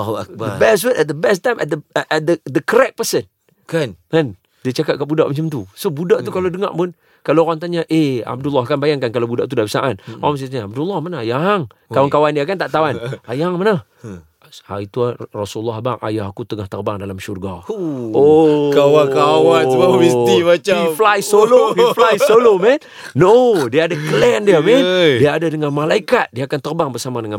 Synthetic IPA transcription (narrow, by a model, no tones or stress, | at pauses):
huak̚badəbɛswət̪ɛt̪̚d̪əbɛst̪ajmʔɛ̰t̪̚d̪əɛd̪əd̪əkəɾɛk̚pəsən | knkan | dət͡ʃakat̪̚kaʔbudaʔmat͡ʃamt̪usobudaʔt̪ukalodəŋa̰ʔpʊn | kaloɣaŋt̪aɲaʔea̰b̚dulːaɦkanbajaŋkankalawbudaʔt̪udabəsaʔanoɣams̬at̪aɲaab̚dulːɑhmanahjaŋ | kawankawaniakant̪aʔt̪awanajaŋmanah | a̰it̪urasulːɔɦbaŋʔa̰jaɦakut̪əŋaht̪ərbaŋdalamʃurɡaokawakawansəbamist̪imat͡ʃaiflaisoloflajsolomɛn | nodiaːdakəlɛndiamɛndiaːdadəŋanmalaikat̪̚diakant̪ərbaŋbərsamadəŋan